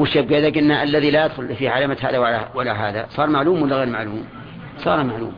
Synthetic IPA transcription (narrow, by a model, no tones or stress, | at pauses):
wɪʃab̚ɡeːd̪akʔɪnːaʔalːaðilaʔɪd̪xʊlfiʕalamat̪ha̰ːðawlwɪlaɦaːðasˤɑːɾˤmaʕluːmwɪlːaɣalmaʕluːm | sˤɑ̰ːɾnamaʕlṵːm